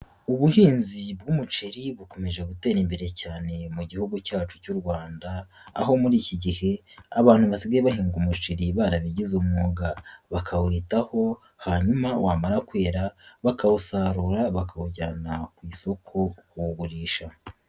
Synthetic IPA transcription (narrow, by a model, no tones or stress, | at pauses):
uβuhiːnzibɡumut͡ʃiɾiβuko̞me̞ʒe̞ɡute̞ːɾimbe̞ɾe̞caːne̞muɟihuɡucaːt͡ʃu̥cuɾɡwaːnda̰ː | ɦo̞muɾiːciɟihe̞ | aβaːn̥huβasiɡaeβaɦiːŋɡumut͡ʃiɾiβaɾaβiɟizumuːɡaβakʰaweːtaho̞ | haɲumawaːmaɾakwe̞ːɾaβakausaːɾuɾaβakauɟanakwiːso̞kʰo̞kuɡuɾiːʃa